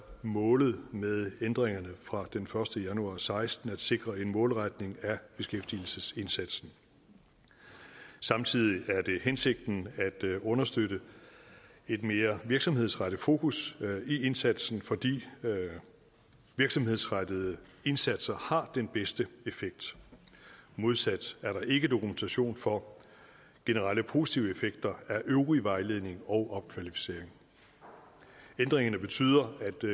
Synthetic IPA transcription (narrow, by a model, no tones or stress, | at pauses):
mɔ̽ːlð̞̩ˠmeðˠend̥ʁeŋɐnəfʁɑ̈d̥enfɶɐsd̥əjænuɑ̈ːsɑ̈ɪsd̥n̩æd̥se̝ɡ̥ʁɐe̝nmɔ̽ːlʁad̥ne̝ŋæb̥e̝sɡ̥efd̥il̩səse̝nsæd̥sn̩ | sɑ̈mt͡sʰið̞̰ˠiʔæɐd̥e̝hense̝ɡ̥̚d̥n̩æd̥ɔ̽nɐsd̥øɾə | e̝d̥me̝ːɐʋiɐɡ̥sɒ̽mhe̝ð̞̰ˠsʁaɾ̥əfo̝̰ːkʰusie̝nsæd̥sn̩fɒ̽d̥ḭː | ʋiɐɡ̥sɒ̽mhe̝ð̞̰ˠsʁad̥əð̩ˠəe̝nsæd̥sɐhɑ̈d̥enb̥esd̥əe̝feɡ̥̚d̥ | mo̝ð̞ˠsæd̥æɐɾɑ̈ʔe̝ɡ̥əd̥o̝kument͡sʰæɕo̝̰ːnfɒ̽ | ɡ̥e̝nəʁɑləpʰo̝ːsi̥t͡sʰiʊəefeɡ̥̚d̥ɐæɐʔøʊʁiʋɑ̈ɪle̝ðˠne̝ŋɒ̽ʊʔɒ̽b̥̚kʰʋælifi̥se̝̰ːɐ̰eŋ | end̥ʁeŋɐnəb̥e̝t͡sʰy̰ːð̰ˠɐæd̥